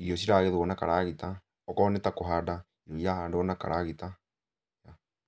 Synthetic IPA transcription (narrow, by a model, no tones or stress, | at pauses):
iɔsiɾaːɣeðwɔnakaɾaɣita | ɔkɔnɛtakoɦada | iɾɔijahandɔnaka̰ɾaɣita | ja